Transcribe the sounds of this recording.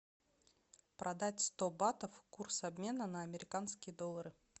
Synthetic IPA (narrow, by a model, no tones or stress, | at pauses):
pɾʔɐd̪atʲst̪o̞bat̪əfkursɐbmʲe̞nənəːmʲɪɾʲɪkanskʲɪjəd̪o̞lˠːəɾɨ